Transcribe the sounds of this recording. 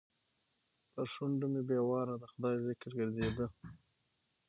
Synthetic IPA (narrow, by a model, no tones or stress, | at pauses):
p̪əɾʃuɳɖumebewɑɾad̪əxʊd̪ɑjzɪkɾɡəɾzed̪ə